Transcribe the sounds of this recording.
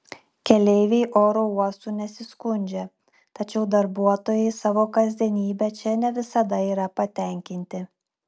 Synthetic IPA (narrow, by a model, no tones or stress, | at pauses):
kʲɛlʲɛɪʋʲɛɪʔoːɾouɔsuːnʲɛsʲɪskʊnʲd͡ʒʲɛ | t̪ɐt͡ʃʲɛʊd̪ɐɾbuɔt̪oːjɛɪsɑːʋoːkɐzʲd̪ʲiɛnʲiːbʲɛt͡ʃʲɛnʲɛʋʲɪsɐd̪ɐiːɾɐpɐt̪ʲɛˑŋʲkʲɪnʲt̪ʲɪ